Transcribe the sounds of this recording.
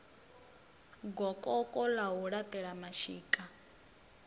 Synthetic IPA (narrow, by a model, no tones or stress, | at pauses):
ɡɔkʼɔkʼɔlaɦuɺatʼɛɺamaʃiːkʼa